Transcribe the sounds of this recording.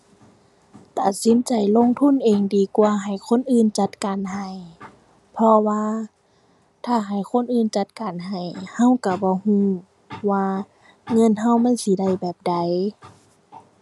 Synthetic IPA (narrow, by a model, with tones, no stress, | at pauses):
t̪a˨˩t̪̚si˨˦nt͡ɕa˨˩jlo˧˥˨ŋt̪ʰu˧˥˨nʔeː˨ŋdiː˨˩kwaː˧ɦa˨˩jkʰo˧˥˨nʔɯː˧˨nt͡ɕa˧˦t̪̚kaː˨nɦa˨˧˩j | pʰɔ˧waː˧ | t̪ʰaː˧˩ɦa˨˩jkʰo˧˥˨nʔɯː˧˩˨nt͡ɕa˧˦t̪̚kaː˨nɦa˨˩jha˧˥˨wka˧˩bɔː˧˦huː˧˩ | waː˧ | ŋɤ˧˥˨nɦa˧˩wma˧˥˨nsi˧˦da˧˩jbɛː˨˩p̚da˨˩j